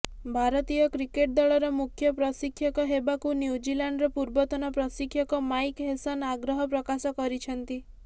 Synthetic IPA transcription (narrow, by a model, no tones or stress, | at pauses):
bʱaɾɔt̪ijɔkɾikeʈ̚d̪ɔɭɔɾɔmukʰjɔpɾɔsikʰːjɔkɔɦebakunjud͡ʒilaɳɖɾɔpuɾbɔt̪ɔnɔpɾɔsikʰːjɔkɔmajkɦesanaɡɾɔɦɔpɾɔkasɔkɔɾit͡ʃʰɔnt̪i